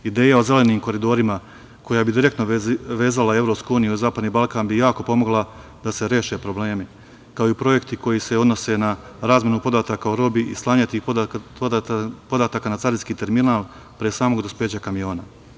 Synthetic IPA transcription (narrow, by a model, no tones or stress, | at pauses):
id̪e̞ːjao̞ze̞le̞niːmko̞ɾid̪o̞ɾima | ko̞jabid̪iɾe̞kt̪noʋe̞ːzalae̞vɾo̞ːpskuuːnijuizaːpad̪niːbalˠkaːnbijaːko̞po̞mo̞ɡlˠa | d̪ase̞ɾeːʃe̞pɾo̞ble̞ːmi | kaoipɾo̞je̞kt̪iko̞jise̞od̪no̞se̞na | ɾaːzmʲje̞nupo̞d̪aːt̪akaoɾo̞biʔislˠaːɲat̪i | po̞d̪aːt̪aːkanat̪saɾiskiːt̪e̞ɾminaːlˠ | pɾesaːmo̞ɡd̪ospe̞ːt͡ɕakamijo̞ːna